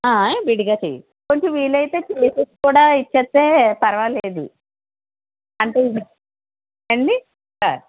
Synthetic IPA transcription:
abiɽiɡaːt͡ʃḛjḭ | koɲt͡ʃemʋiːlɐjt̪e̞ːt͡ʃeːsesi̥kuːɽaːit͡ʃːet̪ːe̞ːpɐɾɐʋɐleːd̪ḭ | ɐɳʈeːii | eɳɖi | a̰

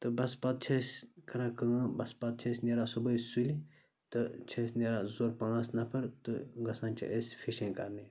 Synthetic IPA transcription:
t̪ɨbɐspat̪̚t͡ʃʰeskʰɐɾaːkɐ̃ːbɐspɐt̪̚t͡ʃʰesʲneɾasubɐsulʲi | t̪ɨt͡ʃʰesʲneɾazoːɾpãːsnɐpʰɐɾt̪ɨɡɐsãːnt͡ʃʰḭʔesʲfʰiʃẽːkɐɾni

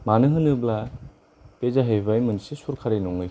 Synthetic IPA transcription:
manɯɦɯnɯbla | pezaɦejbajmɯnsesuɾkʰaɾijnɔŋɯj

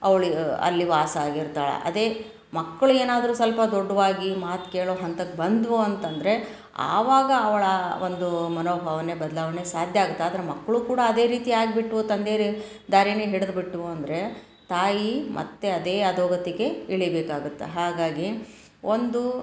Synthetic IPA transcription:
ɐʋɐɭiɐ̰lːiʋaːsɐaːɡiɾt̪aːɭḛʔɐ̰d̪e̞ː | mɐkːɐɭueːnaːd̪ɐɾuːsɐlpɐd̪ɔɖːɐʋaːɡimaːt̪keːɭoːɦɐnt̪ɐkːebɐnd̪ʋoɐnt̪ɐnd̪ɐɾe̞ | a̰ːʋaːɡɐːʋɐɭɐond̪umɐnoːbʱaːʋɐne̞bɐd̪ɐlaːʋɐne̞saːd̪ʱjɐaːɡut̪ːeaːd̪ɐɾe̞mɐkːɐɭuːkuːɽaɐd̪e̞ːɾiːt̪iaːɡibiʈːʋoːt̪ɐnd̪eːɾ | d̪aːɾineːɦiɽed̪biʈːuʋoɐnd̪ɐɾe̞ | t̪aːjimʔɐ̰t̪ːe̞ɐd̪e̞ːɐd̪oːɡɐt̪iɡe̞iɭibeːkaːɡut̪ːḛɦaːɡaːɡi | ond̪u

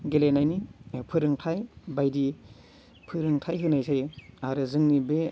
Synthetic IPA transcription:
ɡelenajnipʰɯɾɯŋtʰajbajdi | pʰɯɾɯŋtʰajɦɯnajsʰajaɾɯzɯŋnibe

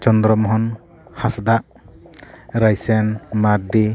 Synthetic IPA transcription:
t͡ʃɔnd̪ɾɔmɦɔn | hasd̪aʔ | ɾajsenmaɾdi

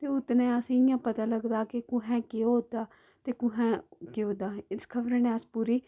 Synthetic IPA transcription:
t̪eːʊt̪nẽːəsjãːpət̪aːləɡd̪aːkɪkʊɦɛ̃ːkeod̪aː | t̪eːkʊ̃ɦɛ̃ːkeoːd̪aːɪskʰəbɾeneːəspuːɾiː

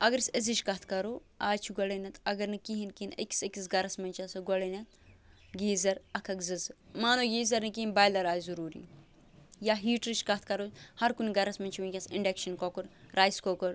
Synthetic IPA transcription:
ɐɡɐɾsɐziʃkɐt̪ʰkɐɾoː | aːt͡ʃʰiɡɔlɐnɐt̪ʰɐɡɐɾnɨkiɦinkinɐ̰kʲi̥sɐkʲisɡɐɾɐsmɐnt͡ʃɐsɐɡɔlɐnɐt̪̚ | ɡiːzɐɾɐkʰɐkzɨzmaːnoɡiːzɐɾnɨkiinbaːjlɐɾaːjzuɾuːɾḭː | jaɦiːʈɾiʃkɐt̪̚ʰkɐɾohɐɾkuniɡɐɾɐsmɐnʲt͡ʃʰwɐnkʲɐsiɳɖekʃɐnkokuɾɾaːjskokoɾ

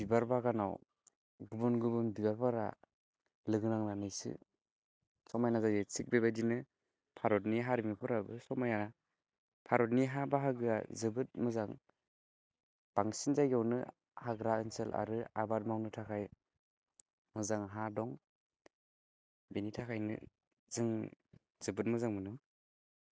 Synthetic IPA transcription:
bibaɾbaɡana̰w | ɡubunɡubunbibaɾbaɾa̰ | lɯɡɯnaŋnanɯjsɯ̰ | sɔmajnazajzɯsik̚bebadinɯ | pʰaɾɔtniɦaɾimipʰɔɾabɯsɔmajana | pʰaɾɔtniɦabaɦaɡɯa̰zɯbɯt̚mɯzaŋ | b̥aŋsinzajɡawnɯ̰ | haɡɾaɯnsela̰ɾɯa̰bat̚mawnɯtʰakʰaj | mɯzaŋɦadɔŋ | benitʰakʰajnɯ̰ | zɯŋ | zɯbɯt̚mɯzaŋmɯnɯŋ

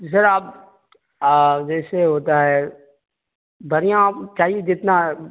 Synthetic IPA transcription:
sɐɾaːpː | d͡ʒɛːseɦoːt̪aɦɛ | bɐɾijãt͡ʃaːɦied͡ʒɪt̪na

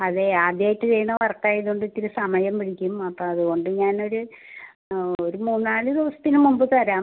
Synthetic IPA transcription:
ɐðeaːd̪jaːjiʈːɨt͡ɕejɳːɐʋɐrkːaːjiðuɳɖɨit̪ːiɾusɐmɐjɐmpiɽikʲːumɐpːoːɐðuɣo̞ɳɖɨɲaːno̞ɾu | oɾumuːnːaːɭɨd̪iʋɐsɐ̥t̪ːinɨmumbɨt̪ɐɾaːm

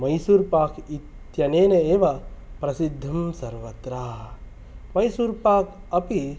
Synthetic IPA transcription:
mɐjsuɾpaːkʰit̪ | jɐneːneeːʋɐpɾɐsid̪ʱːɐmsɐɾʋɐt̪ɾaː | mɐjsuːɾpaːkʰ | ɐpi

